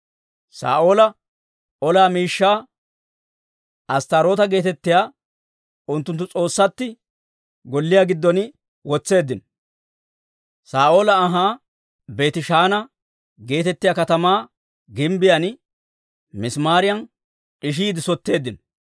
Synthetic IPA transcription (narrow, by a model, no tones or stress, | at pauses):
sa̰ːʔo̞ːlɐ | ʔɔlaːmiːʃːaː | ɐst̪ɐɾo̞ːt̪ɐɡe̞ːt̪ɛt̪ːɪjaː | ʔʊnt̪ːʊnt̪ːʊt͡sʼo̞ːsːɐt̪ːɪ | ɡɔlːɪjaːɡɪd̪ːɔnɪ | wɔt͡sːe̞ːd̪ːɪnɔ | saːʔo̞ːlɐːɦaː | be̞ːt̪ɪʃaːnɐ | ɡe̞ːt̪ɛt̪ːɪjaːkɐt̪ɐmaː | ɡɪmbɪjɐn | mɪsmaːɾɪjɐn | ʔʼɪʃ̬iːd̪ɪsɔt̪ːe̞ːd̪ːɪnɔ